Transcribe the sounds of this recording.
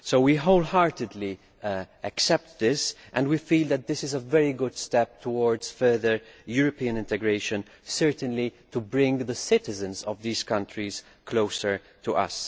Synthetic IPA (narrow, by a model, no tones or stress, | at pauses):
soʊwiɦoʊlhɑɹtɨd̪li | ʔæksɛp̚t̪ðɪsʔɛ̃ndwifiːlˠd̪æt̪̚dðɪsɪzəvɛɹiɡʊd̥stɛp̚tʰɔwɔɹdz̥fɜ˞ðəɹjuɹɔpiːə̃nɪ̃ntɛɡɹeɪʃə̃n | sɜɹtə̃nlitubɹɪ̃ŋðəsɪtɪzɨ̃nzɔvðiːz̥kʌ̃ntʰɹiz̥ | kʰloʊsə˞ | tʰuʔʌ̰s